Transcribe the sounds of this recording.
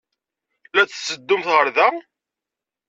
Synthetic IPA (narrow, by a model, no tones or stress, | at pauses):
læt͡sːsːəd̪ːʊmθʁəɾðæ